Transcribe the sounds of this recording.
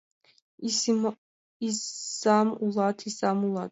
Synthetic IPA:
iamulaːt̪ʰisamulˠat̪

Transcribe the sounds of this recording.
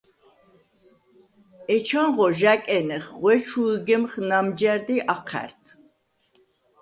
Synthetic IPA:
ɛt͡ʃʰanʁɔʒakʼɛnɛχʁwɛt͡ʃʰuɡɛmχnamd͡ʒɛɾd̪iʔaqʰæ̰ɾt̪ʰ

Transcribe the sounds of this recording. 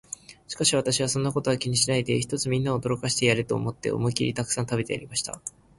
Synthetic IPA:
ɕi̥kaɕiβ̞at̪aɕiβ̞asõ̞nːako̞t̪o̞akʲiɲ̟iɕinaid̪e̞çi̥t̪o̞t͡sɨmʲĩnːao̞d̪o̞ɾo̞kaɕi̥t̪e̞jaɾɯt̪o̞̰ːmo̞t̪ːe̞̰o̞̰mɯ̟kʲiɾʲḭt̪akɯ̥sãnt̪abe̞t̪e̞ja̰ɾʲimaɕi̥t̪a̰

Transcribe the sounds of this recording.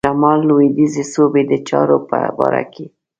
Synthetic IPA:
amɑlːoid̪izesobed̪ət͡ʃɑɾopəbɑɾa̰ke

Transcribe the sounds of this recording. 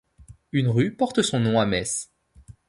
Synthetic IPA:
ynʁypɔʁt̪əsɔ̃nɔ̃amɛs

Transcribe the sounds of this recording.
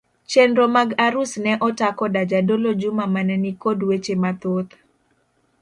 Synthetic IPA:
t͡ʃendɾomaɡaɾʊsnɛʔɔtakɔdad͡ʒadolod͡ʒʊmamanɛnikodwet͡ʃemat̪ot̪

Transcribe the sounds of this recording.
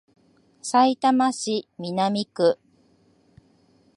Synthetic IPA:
sait̪amaɕimʲinamʲikɯ̟

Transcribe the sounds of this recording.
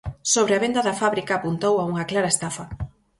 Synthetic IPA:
soβɾeɐaβ̞end̪ɐðɐfaβɾikaːpunt̪owauŋɐklaɾɐest̪afɐ

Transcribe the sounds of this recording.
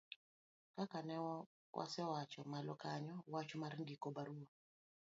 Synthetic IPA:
kakanɛwɔ | wʔa̰sɛwat͡ʃɔmalɔkaɲɔwat͡ʃɔmaɾnɡikɔbaɾuɔ

